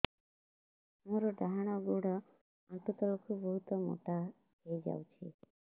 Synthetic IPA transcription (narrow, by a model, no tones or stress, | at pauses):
moɾɔɖaɦaɽ̃ɔɡuɽɔ | aʈut̪ɔlokʰubɔɦut̪ɔmo̰ʈa | ɦejd͡ʒa̰wt͡ʃʰḭ